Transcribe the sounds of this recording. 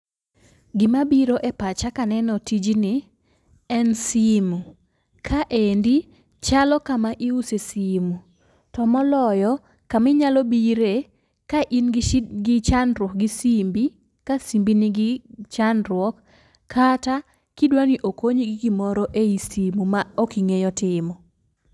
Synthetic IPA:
ɡɪmabiɾoʔɛpat͡ʃakanɛnɔtid͡ʒnɪ | ɛnsimu | kʰaʔendi | t͡ʃalɔkamaʔiusesimu | tɔmɔlɔjɔ | kamɪɲalɔbiɾe | kaʔinɡɡɪt͡ʃanɾwɔk̚ɡɪsimbi | kasimbinɪɡɪt͡ʃanɾwɔkʰː | ata | kidwaniʔokoɲɡɡɪmɔɾɔʔeisimumaɔkiŋejɔtɪmɔ

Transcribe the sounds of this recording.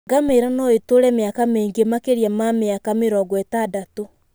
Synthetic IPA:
ɡameɾanɔetoɾɛmeakameːŋɡemakeɾiamameakameɾɔɡwɛtadato

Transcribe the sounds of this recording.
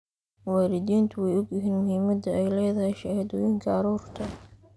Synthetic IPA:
wɑːɾɪd̪iːnt̪ʰʊwɛjʊɡjɪɦiːnmʊhiːmɐd̪ɐɛjlɛːðɐɦɛjʃɐhɐd̪ɔːjiŋkʰɐɐɾuːrt̪ʰɐ

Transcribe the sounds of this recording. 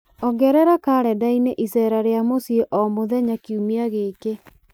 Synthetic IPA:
ɔɡɛɾɛɾakaɾɛdaineʔisɛɾaɾeamosieʔɔmoðɛɲakiumiaɣeke

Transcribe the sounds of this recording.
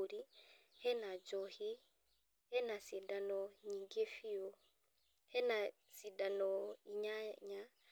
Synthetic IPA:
ɾihɛnad͡ʒɔhi | hɛnasidanɔɲiŋɡefiɔ | hɛna | sidanɔiɲaɲa

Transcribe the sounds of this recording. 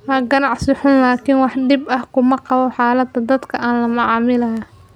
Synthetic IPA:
wɐːɡɐnɑʕsɪħʊnlaːkʰɪnwɑħd̪ɪbɐhkʰʊmɐqɑβɔħɑːlɐd̪ɐd̪ɐd̪kʰɐʔaːnlɐmɑʕɑːmɪlɐɦa

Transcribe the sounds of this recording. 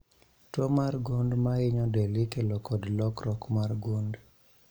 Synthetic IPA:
tɔmarɡundmaɪɲɔdelɪkelokɔdlɔkɾɔkmarɡund

